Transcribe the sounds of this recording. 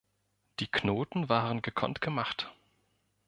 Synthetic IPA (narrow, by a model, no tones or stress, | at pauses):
d̥iːkʰnoːtn̩vaːʁənɡəkʰɔ̰ntɡ̥əmaχt